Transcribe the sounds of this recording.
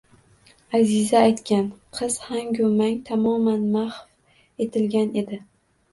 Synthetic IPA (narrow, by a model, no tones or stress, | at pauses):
azɪzaːjt̪kʲʰanqʰɨz̥haŋɡʲʊmaŋt̪ʰamɒmanmahf | e̞t̪ʰɪlɡʲane̞d̪ɪ